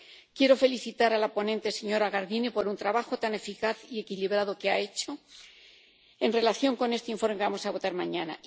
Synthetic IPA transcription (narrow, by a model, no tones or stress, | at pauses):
kje̞ɾo̞fe̞liθit̪aɾalapo̞nẽ̞nt̪ese̞ɲo̞ɾaɣaɾðinepo̞ɾunt̪ɾaβaxo̞t̪ane̞fikaθie̞kiliβ̞ɾaðo̞keae̞t͡ʃo̞ | e̞nre̞laθjo̞ŋko̞ne̞st̪eiɱfo̞ɾmekeβamosaβo̞t̪aɾmãɲana